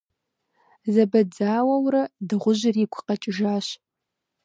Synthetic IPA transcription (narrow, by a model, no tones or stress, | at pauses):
zɐbɐd͡zaːwɐwrɐdɨʁʷʊʑɪriːkʷʰʊqɐt͡ʃʼɪʒaːɕ